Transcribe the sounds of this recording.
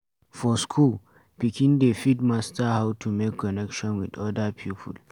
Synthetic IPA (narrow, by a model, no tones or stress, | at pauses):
fɔskʰul | pikĩndefidmastahawtʰumekʰːɔnɛkʃɔ̃nwidɔdapʰjupʰṵl